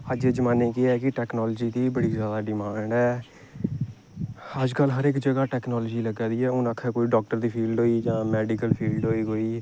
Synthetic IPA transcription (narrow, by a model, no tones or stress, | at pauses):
əd͡ʒed͡ʒmaːnẽːkɪɛːkɪʈɛːknɔːld͡ʒiːd̪iːbəɽiːzjaːd̪aːɖɪmãːɳɖɛː | əd͡ʒkəlɦəɾɪkd͡ʒəɡaːʈɛːknɔːlːd͡ʒiːləɡaːd̪iːɛːʊnakʰːɛːkoːiːɖɔːk̚ʈəɾd̪iːpʰiːlɖɦoːiːd͡ʒãːmɛːɖikəlpʰiːlɖɦoːiːkoːiː